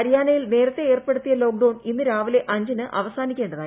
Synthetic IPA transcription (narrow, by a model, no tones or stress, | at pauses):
ɐɾijaːnɐjilne̞ːɾɐt̪ːe̞eːrpeɽut̪ːijɐlo̞ːk̚ɖɐwɳinːɨɾaːʋile̞ʔɐɲd͡ʑɐnɨʔʔɐʋɐsaːnikʲːe̞ːɳɖɐðaː